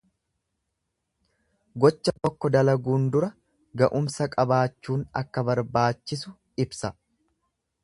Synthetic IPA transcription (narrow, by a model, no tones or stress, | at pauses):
ɡɔt͡ʃːɐt̪ɔkːɔd̪ɐlɐɡuːnd̪ʊɾɐ | ɡɐʔʊmsɐkʼɐbaːt͡ʃːuːnɐ̰kːɐbɐɾbaːt͡ʃːɪsʊ | ɪbsɐ